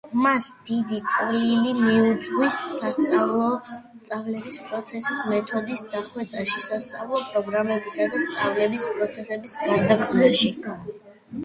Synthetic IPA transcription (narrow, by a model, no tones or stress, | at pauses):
masd̪̥id̪it̪sʼvlilimiud̪zʁwisːast̪sʼavlˠɔst̪sʼavlɛbispʼɾɔt̪sʰɛsismɛt̪ʰɔd̪isd̪aχwɛt̪sʼaʃisast̪sʼavlˠɔpʼɾɔɡɾamɛbisad̪ast̪sʼavlɛbispʼɾɔt̪sʰɛsɛbisɡaɾd̪akʰʼvɛʃɛkʰ